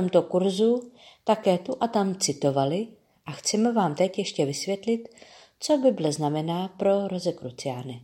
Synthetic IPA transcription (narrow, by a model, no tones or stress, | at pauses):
omt̪okuɾzut̪akɛːt̪uʔat̪amt͡sɪt̪o̞valɪ | ʔaxt͡sɛmɛvaːmt̪ɛcjɛʃcɛvɪsvjɛt̪lɪt̪ | t͡so̞bɪbɪlɛznamɛnaːpɾo̞ɾozɛkɾut͡sɪjaːnɪ